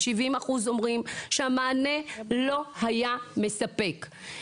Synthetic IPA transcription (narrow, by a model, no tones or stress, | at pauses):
ʃivimaχuzo̞mʁimʃeamaːne̞lo̞hajame̞sape̞k